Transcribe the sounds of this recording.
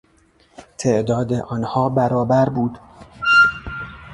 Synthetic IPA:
t̪ʰeʔd̪ɒːd̪eʔɒːnhɒːbæɾɒːbæɾbuːd̪̥

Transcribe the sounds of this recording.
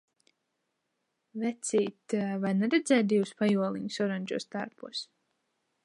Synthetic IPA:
vɛt̪sʲiːt̪vajnɛɾɛd̪zɛːt̪̚d̪iwspajuɔlˠḭɲsɔɾanʲd͡ʒṵːst̪aɾpṵːs

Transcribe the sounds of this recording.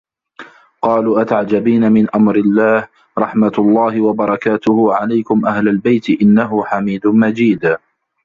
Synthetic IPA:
qɑːluːʔat̪aʕd͡ʒabiːnamɪnʔamɾɪlːaːh | ɾˤɑħmat̪lˤːɑːhɪwabɑɾˤɑkaːt̪ʊhʊʕalajkʊmʔahlalbajt̪ɪʔɪnːaɦʊħamiːd̪ʊmad͡ʒiːd̪

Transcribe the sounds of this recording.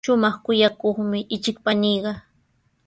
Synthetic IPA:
ʊmɑχkʊjakoχmɪʔɪt͡ʃɪk̚paniːɢɑ

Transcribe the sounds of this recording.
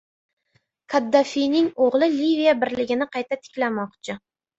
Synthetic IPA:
kʰad̪ːafijnɪŋoʁlˠɪlivijabɪɾlɪɡʲɪnɪqʰɑjt̪ʰat̪ʰɪ̥kʲlamɒqt͡ʃʰɪ

